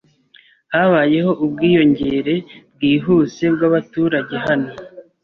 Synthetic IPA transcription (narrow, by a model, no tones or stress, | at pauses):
haβaje̞ɦo̞ʔubɡiːjo̞ɲɟe̞ɾe̞b̚ɡiːɦuse̞bɡaβatuːɾaɟe̞ɦano̞